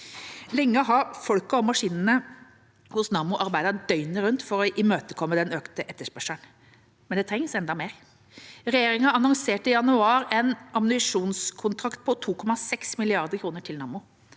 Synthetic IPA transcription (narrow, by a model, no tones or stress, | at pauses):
lɛŋːəɔɦɑɾfɔlkəɔmɑʂiːnənə | hʊsnɑːmʊʔɑɾbæɪd̪əd̪œʏnəɾʉnt̪fɔɾɔʔɪmøːt̪əkʰɔmːəd̪ɛnøːkt̪əʔɛt̪ːəʂpœʂən | mɛnd̪ɛt̪ɾɛŋsɛnd̪ɑmeːɾ | ɾɛjeːɾɪŋɑɑnɔŋseːʈɪjɑnʉɑːɾɛnɑmnʏʂuːnskʰʊnt̪ʰɾɑkt̪̚pʰɔt̪ʰuːkʰɔmɑsɛksmɪlɪɑɾd̪əɾkʰɾuːnəʈʰɪlnɑːmʊ